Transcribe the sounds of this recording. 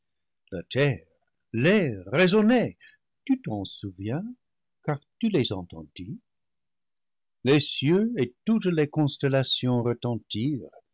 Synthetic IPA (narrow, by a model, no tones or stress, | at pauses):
latʰɛʁ | lɛʁezone | tyt̪ɑ̃suvjɛ̃ | kaʁtylezɑ̰̃tɑ̰̃d̥i | lesjøetutlekɔ̃stɛlasjɔ̃ʁətɑ̃tiːʁ